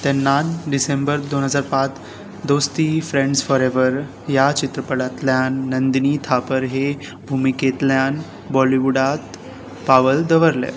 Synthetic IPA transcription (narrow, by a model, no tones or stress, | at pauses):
t̪ɛnːaɖisembəɾd̪onɦəd͡zaɾpat͡s | d̪ost̪ifɾẽɳɖsfɔɾeʋəɾ | jat͡ɕit̪ɾəpəɽat̪ljanːənd̪niːt̪ʰapəɾɦe | bʱumiket̪ljan | bɔliʋuɖat̪ | paʋəld̪əʋəɾlḛ